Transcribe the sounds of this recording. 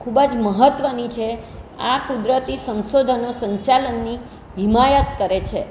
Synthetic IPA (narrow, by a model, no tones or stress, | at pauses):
kʰubəd͡ʒməɦət̪ʋənit͡ʃʰeakud̪ɾət̪isə̃nsod̪ʱənosə̃ɲt͡ʃalənːi | ɦimajət̪kəɾet͡ʃʰe